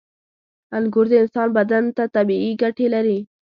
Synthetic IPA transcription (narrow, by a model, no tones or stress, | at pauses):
anɡʊɾd̪eɪnsɑːnbad̪ant̪at̪abiiɡaʈelaɾi